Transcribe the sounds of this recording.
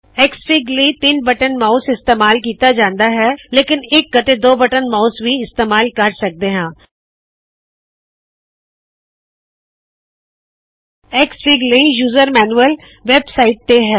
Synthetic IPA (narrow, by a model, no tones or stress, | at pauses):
ɛːkspʰiːɡlit̪iːnbɐʈənmaːʊsɪst̪eːmaːlk̬iːt̪ad͡ʒãːnd̪aɦɛːleːkɪneːkːɐt̪ed̪oːbɐʈənmaːʊsbʱiɪst̪eːmaːlkɐɾsɐk̚d̪eɦãː | eːksfiːɡlijuːzəɾmɛːnuəl | ʋeːbsaːɪʈ̚t̪eɦɛː